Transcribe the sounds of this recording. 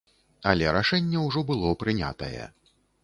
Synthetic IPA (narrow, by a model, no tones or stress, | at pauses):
ɐlʲɛɾaʂɛnʲːɛwʐɔbɨlˠɔpɾɨnʲa̰t̪ɐjɛ̰